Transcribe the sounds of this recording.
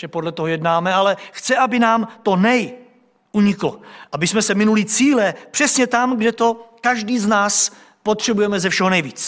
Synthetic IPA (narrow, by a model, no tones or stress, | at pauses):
ʒɛpodlɛt̪oɦojɛdnaːmɛalɛxt͡sɛʔabɪnaːmt̪o̞nɛj | ʔuɲɪkloʔabɪsmɛsɛmɪnulit͡siːlɛpr̝̥ɛsɲɛt̪amɡdɛt̪o̞kaʒdiːznaːs | pot̪r̝̥ɛbujɛmɛzɛfʃɛɦonɛjviːt͡s